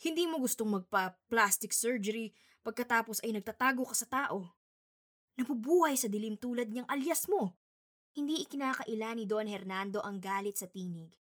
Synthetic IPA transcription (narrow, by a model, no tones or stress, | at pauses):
hɪnd̪iːmo̞ɡʊst̪oŋmɐɡ̚pɐplast̪ɪksɛɹd͡ʒɛɾi | pɐɡ̚kɐt̪aːpo̞sɐjnɐɡ̚t̪at̪aːɡo̞kɐsɐt̪aːʔo̞ | nɐbubuːhɐjsɐd̪ɪlimt̪uːlɐd̪̚ɲɐŋʔɐljɐsmo̞ | hɪnd̪iʔɪkɪnaːkɐʔɪlanid̪o̞nhɛɾnand̪o̞ʔɐŋɡaːlɪt̪̚sɐt̪iːnɪɡ